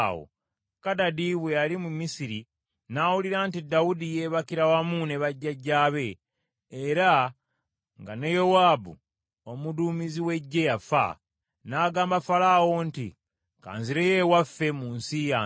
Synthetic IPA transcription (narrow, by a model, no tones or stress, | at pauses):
o̰ | kadadiβwejalimumisiɾi | nawuliɾantidawudijeβakiɾawamune̞βaɟːaɟːaːβe̞ː | ɾa | ŋɡanejo̞waːbṵ | omuduːmiziwe̞ɟːe̞jafa̰ | naːɡaːmbafalawo̞ntḭ | ka̰ːnziɾeje̞wafːe̞muːnsija